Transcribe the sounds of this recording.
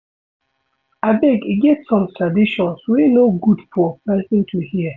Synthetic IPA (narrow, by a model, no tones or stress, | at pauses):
abɛɡiɡɛtsɔ̃mtʰɹadiʃɔ̃nswinoɡudfɔəpɛsɪ̃ntʰuhiə